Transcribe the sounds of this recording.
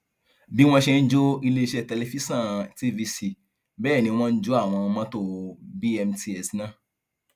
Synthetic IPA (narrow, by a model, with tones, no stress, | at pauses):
bi˨˦w̃ɔ̃˦ʃɛ˧n̩˦d͡ʒo˦i˧le˦i˧ʃɛ˦˨tɛ˧lɛ˧fi˦sã˦˨ti˧vi˧si˧ | bɛː˦˨nĩ˧˦˧w̃ɔ̃˦n̩˦d͡ʒo˦a˦˨w̃ɔ̃˧mã˦to˧bi˦ɛ˧mti˧ɛ˨snã˦˨